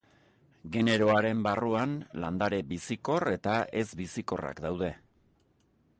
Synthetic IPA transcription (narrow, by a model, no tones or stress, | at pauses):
ɡe̞ne̞ɾo̞aɾe̞mbaruanland̪aɾe̞bisiko̞re̞t̪ae̞zbisiko̞ra̰kd̪awð̞e̞